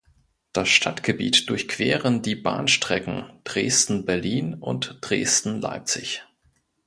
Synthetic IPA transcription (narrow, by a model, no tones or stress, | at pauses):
d̥asʃtʰatɡ̥əbḭːtd̥ʊɐçkʰv̥eːʁəndiːba̰ːnʃtʁ̥ɛkŋ̩d̥ʁeːstn̩bɛɐliːnʊ̰ntd̥ʁeːstn̩la̰ɪp̚t͡sɪç